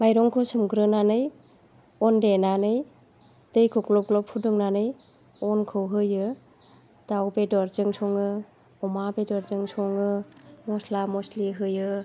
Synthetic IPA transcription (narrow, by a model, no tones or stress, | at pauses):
majɾɔŋkʰɯwsɯmɡɾɯnanɯj | ɔndenanɯj | dɯjkʰɔklɔp̚klɔpʰudɯŋnanɯj | ɔnkʰɯwɦɯjɯ | d̥awbedɔɾzɯŋsʰɔŋɯ | ɔmabedɔɾzɯŋsʰɔŋɯmɔslamɔsliɦɯjɯ